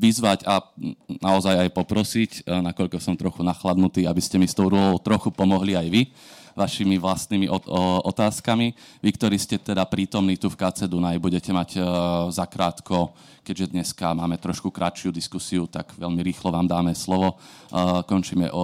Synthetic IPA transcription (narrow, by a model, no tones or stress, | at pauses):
ʋizʋacanaɔzajajpɔpɾɔsicnakɔʎkɔsɔmt̪ɾɔxunaxlad̪nut̪iːabiscɛmist̪ɔʊɾulɔʊt̪ɾɔxupɔmɔɦliajʋi | ʋaʃimiʋlast̪nimiʔɔɔt̪aːskami | ʋikt̪ɔɾiːscɛt̪ɛd̪apɾiːt̪ɔmniːt̪ufkat͡sɛd̪unajbuɟɛcɛmaɟzakɾaːt̪kɔ | kɛɟʒɛd̪ɲɛskamaːmɛt̪ɾɔʃkukɾat͡ʃɪud̪iskusiut̪a̰ɡʋɛʎmiɾiːxlɔʋaːmd̪aːmɛslɔʋɔ | kɔnt͡ʃiːmɛ̰ʔɔ